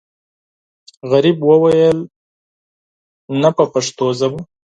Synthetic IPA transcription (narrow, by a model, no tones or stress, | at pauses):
ɣaɾibwəwajəl | napəpaʂt̪ozaba